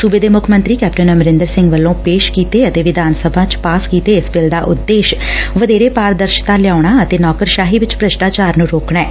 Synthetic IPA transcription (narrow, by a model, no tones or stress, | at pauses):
suːbeːd̪eːmʊkʰmə̃nt̪ɾiːkɛːp̚ʈənəməɾɪnd̪əɾsɪ̃ŋɡʋəlːõːpeːʃkiːt̪eːət̪eːʋɪd̪aːnsəbʱãːt͡ʃpaːskiːt̪eːɪsbɪld̪aːʔʊ̰t̪ːeːʃʋəd̪eːɾeːpaːɾd̪əɾʃt̪aːlɪjaːʊɳaːət̪eːnɔːkəɾʃaːɦiːʋɪt͡ʃpɾəʃʈaːt͡ʃaːɾnũːɾoːkɳɛː